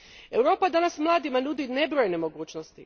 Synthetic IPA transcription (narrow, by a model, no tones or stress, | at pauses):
e̞wɾo̞ːpad̪anasmlˠaːd̪imanud̪ine̞bɾojene̞mo̞ɡuːt͡ʃnost̪i